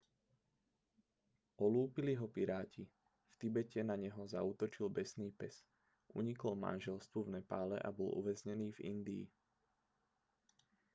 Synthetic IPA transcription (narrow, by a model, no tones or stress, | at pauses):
ʔɔluːpiliɦɔpiɾaːci | ft̪ibɛcɛnaɲɛɦɔzauːt̪ɔt͡ʃilbɛsniːpɛs | ʔṵɲikɔlma̰nʒɛlst̪ʋuvnɛpaːlɛ̰ʔa̰bɔlṵʋɛzɲɛniːvḭnd̪ḭː